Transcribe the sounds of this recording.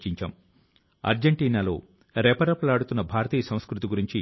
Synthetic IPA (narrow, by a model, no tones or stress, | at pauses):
t͡ʃiɲt͡ʃɐ̰m | ɐ̰ɾd͡ʒeɳʈiːnaːloː | ɾɛːpɐɾɐpɐlaːɽut̪unːɐbʱaːɾɐt̪iːɐsɐ̃w̃skɾut̪iɡuɾiɲt͡ʃi